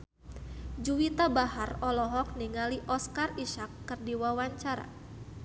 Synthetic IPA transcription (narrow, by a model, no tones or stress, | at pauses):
d͡ʒuwit̪abaɦarɔlɔɦɔk̚niŋaliʔɔskariʃakːɨrdiwawaɲt͡ʃaɾa̰